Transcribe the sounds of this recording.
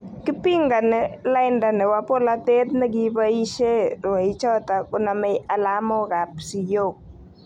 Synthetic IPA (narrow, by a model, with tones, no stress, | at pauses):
kɪ˦pi˦ŋɡa˨nɛ˦la˦ɪnda˨nɛ˨wa˦po˦la˦t̪e˦t̪nɛ˦ɡɪ˦ba˦i˦ʃe˦ɾwa˨i˦t͡ʃɔ˦t̪a˨kʊ˦na˨mɛ˦a˨la˦mɔ˦ɾa˨psi˨jo˦k̚